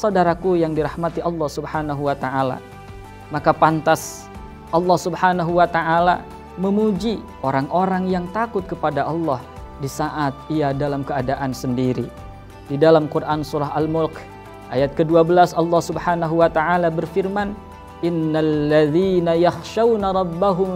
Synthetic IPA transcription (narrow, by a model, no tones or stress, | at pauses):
sawdaɾakujaŋdiɾahmat̪iɑlːɑhsubhanaɦuwat̪aʔala̰ | makapant̪as | ʔɑlːɑhsubħanaɦuwat̪aʔala̰ | məmud͡ʒi | ʔoɾaŋʔoɾaŋjaŋt̪akʊt̪̚kəpadaʔɑlːɑh | disaʔat̪̚iadalamkəadaʔansəndiɾḭ | didalamkurʔansuɾaɦalmʊlk | ʔajat̪̚kəduabəlasɑlːɑhsubhanaɦuwat̪aʔalabərfirman | ʔɪnːalːaðiːnajaxʃawnaɾˤɑbːaɦʊm